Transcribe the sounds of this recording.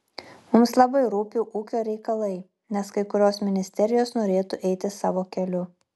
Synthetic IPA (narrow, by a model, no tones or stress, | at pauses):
mʊmslˠɐbɐɪɾuːpʲʊʔuːkʲoːɾʲɛɪkɐlˠɐɪ | nʲɛskɐɪkʊɾʲoːsmʲɪnʲɪsʲt̪ʲɛɾʲɪjoːsnoːɾʲeːt̪ʊʔɛɪt̪ʲɪsɑːʋoːkʲɛlʲʊ